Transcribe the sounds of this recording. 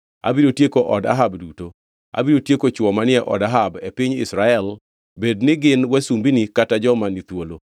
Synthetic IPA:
a̰bidotjekoʔɔda̰ɦabduto | a̰bidotjekot͡ʃwɔmanɪɛʔɔ̰daɦabepiɲɪ̰sɾaɛl | bednɪɡɪnwɛsumbinikatad͡ʒɔmanit̪wolo

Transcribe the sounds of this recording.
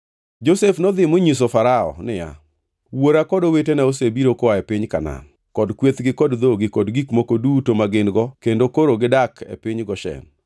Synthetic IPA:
d͡ʒosefnɔd̪ɪmoɲis̬ofaɾaɔ̰nɪja̰ | woɾakɔdowetenaosebiɾokɔaepɪɲkana̰n | kɔdkwet̪ɡɪkɔdd̪oɡɪkɔdɡikmokodutomaɡɪnɡɔkendokoɾoɡɪdakḛpɪɲɡɔʃɛ̰n

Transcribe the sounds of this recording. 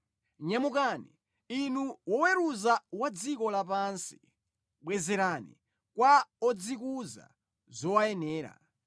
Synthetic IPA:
ɲamukani | inuwɔwɛɾuzawad͡zikɔlapansi̥ | ɓwɛzɛɾanḭ | kwaɔd͡zikuza̰ | zɔwajɛnɛːɾa̰

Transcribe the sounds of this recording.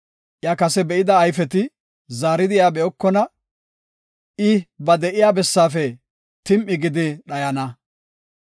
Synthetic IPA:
ʔjakɐsɛbɛʔɪd̪ɐːjfɛt̪ɪ | zaːɾɪd̪ɪjaːbɛɔkːɔnɐ | ɪbɐd̪ɛʔɪjaːbɛsːaːfɛ | t̪ɪmʔɪɡɪd̪ɪɗɐjɐnɐ

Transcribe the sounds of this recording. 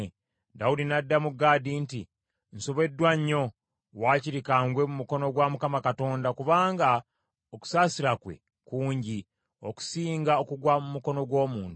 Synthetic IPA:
daudinadːamuɡaːdinti | n̩soβe̞dːwaɲːo̞ | waːciɾikaːŋɡwe̞mumuko̞no̞ɡwamukamakato̞ːndakuβaːŋɡa | oku̥saːsiɾakwe̞̰ | kuːɲɟi | oku̥siːŋɡao̞kuɡwamumuko̞no̞ɡwo̞ːmuːntu

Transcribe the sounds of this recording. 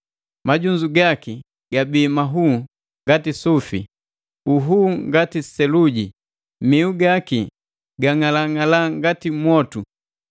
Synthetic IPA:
maɟuɲd͡ʒuɡaki | ɡ̥abiːmaɦu | ŋɡatisufḭ | uɦuːŋɡatisɛluɟi | miuɡaki | ɡaŋalaŋalaŋɡatimwɔtu

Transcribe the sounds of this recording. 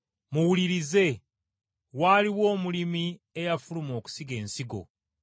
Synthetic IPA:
muwuliɾize̞ | waːliwo̞ːmulimi | ejafulumo̞ːku̥siɡe̞ːnsiɡo̞̰

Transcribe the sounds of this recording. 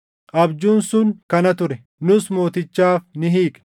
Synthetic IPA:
ʔɐbd͡ʒuːnsʊŋkɐnɐt̪ʊɾɛ | nʊsmo̞ːt̪ɪt͡ʃːaːfnɪɦiːkʼ

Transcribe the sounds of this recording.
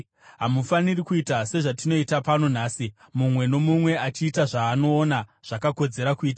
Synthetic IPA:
ɦamufanirikuitase̞ʐatino̞itapano̞naːsi | mumwe̞no̞mumwe̞at͡ʃiːtaʐaːno̞ːnaʐ̥akako̞d͡ze̞ɾakuiːta

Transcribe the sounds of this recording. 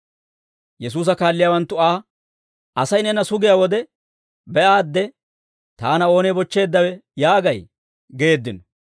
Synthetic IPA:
jɛs̬uːs̬ɐkaːlːɪjaːwɐnt̪ːʊaː | ʔɐsɐjnɛnɐsʊɡɪjaːwɔd̪ɛ | bɛʔaːd̪ːɛ | t̪aːnɐo̞ːnebɔt͡ʃːe̞ːd̪ːɐwɛjaːɡɐj | ɡe̞ːd̪ːɪnɔ

